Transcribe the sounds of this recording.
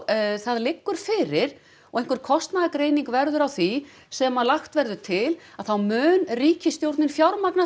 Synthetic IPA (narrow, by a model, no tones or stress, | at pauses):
θaðlɪkːʏɾ̥fɪɾɪɾ̥ | ɔɣehŋ̥kʏɾ̥kʰɔst̪naðakɾeːjniŋkvɛɾðʏɾawθi | sɛmaðlaxt̪vɛɾðʏt̪ʰɪlaðθawmʏːnriːcɪst̪jowɾt̪nɪnfjawɾmakna